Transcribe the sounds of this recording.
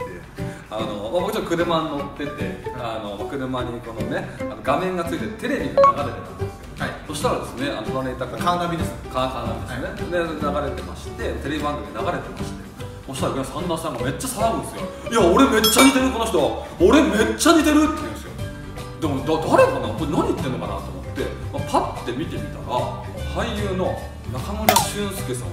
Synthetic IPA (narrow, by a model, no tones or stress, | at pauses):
t̪ːe | ano̞mabok̟t͡ɕot̪ːokɯ̟ɾɯ̟mãnːo̞t̪ːe̞t̪e̞ano̞makɯ̟ɾɯ̟mãɲ̟ːiko̞none̞anoɡamẽ̞ŋɡat͡sɨit̪et̪e̞ɾe̞bʲiɡanaɡaɾe̞t̪e̞t̪ãnd̪esɨ̥oso̞ɕi̥t̪aɾad̪e̞sɨnea̰not̪oɾaɾeit̪ːakanabʲid̪eskakanamid̪esned̪enaɡaɾe̞t̪e̞maɕi̥t̪e̞t̪e̞ɾebʲibãŋɡɯmʲinaɡaɾe̞t̪e̞maɕi̥t̪e | oɕi̥t̪aɾɡɾasãnd̪aːsãŋɡame̞t͡ɕːasaɾãɯ̟̃nd̪e̞sɨjo̞̰iaoɾe̞me̞t͡ɕːaɲit̪e̞ɾɯ̟ko̞no̞çʲi̥t̪o̞βa | oɾe̞me̞t͡ɕːaɲʲit̪e̞ɾɯ̟t̪ːej̃nd̪esɨjo | d̪e̞mod̪ad̪aɾe̞kanakoɾnaɲ̟iit̪ːenːo̞kana̰t̪oːmo̞t̪ːe̞mapat̪ːe̞mʲit̪e̞mʲit̪a̰ɾa̰ | hʰaijɯːno̞ | nakamoɾiɕɨ̃sɨ̥kesã̰